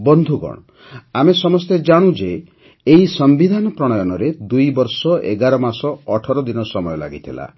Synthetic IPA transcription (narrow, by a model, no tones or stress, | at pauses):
bɔnd̪ʱuɡɔ̰ɽ̃ | amesɔmɔst̪ed͡ʒaɽ̃ud͡ʒeː | isɔmbid̪ʱanɔpɾɔɽ̃ɔjɔnɔɾed̪ujbɔɾsɔḛɡaɾɔmasɔːʈʰɔɾɔd̪inɔsɔmɔjɔla̰ɡit̪ʰila̰